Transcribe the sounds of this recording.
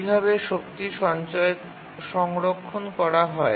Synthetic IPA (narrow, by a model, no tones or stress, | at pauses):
bʱaβeʃokt̪iʃɔnt͡ɕɔek | ʃɔŋɾokʰːonkɔɾaɦɔe